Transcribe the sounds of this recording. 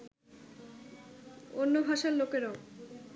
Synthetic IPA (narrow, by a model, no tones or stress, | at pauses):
onːobʱaʃaɾlokeɾao